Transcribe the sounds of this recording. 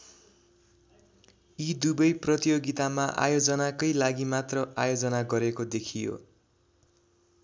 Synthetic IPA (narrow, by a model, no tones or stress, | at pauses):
id̪ubʌjprʌt̪ijoɡit̪amaʔa̰jod͡zʌnakʌjlaɡimat̪rʌʔajod͡zʌnaɡʌɾekod̪ekʰijo̰